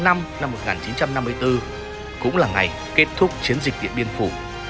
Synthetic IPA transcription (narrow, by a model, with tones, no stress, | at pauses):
na˧mna˧mːo˨˩t̚ŋaː˨˩nt͡ɕi˨˦nt͡ɕa˧mna˧mːɨ˧əjt̪ɨ˧ | kʊ̰˧˥ŋ͡mlaː˨˩ŋa˨˩j | ke˦˥t̚t̪ʰʊ˦˥k͡p̚t͡ɕi˨˦ənzï˨˩k̟̚ɗḭ˧˨əɓi˧ənfu˧˩